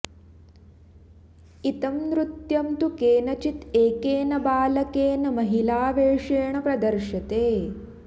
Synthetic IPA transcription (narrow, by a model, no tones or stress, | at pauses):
it̪ɐmnɾut̪jɐmt̪ukeːnɐt͡ʃit̪eːkeːnɐbaːlɐkeːnɐmɐɦilaːʋeːʂeːɳɐpɾɐd̪ɐɾʃɐt̪eː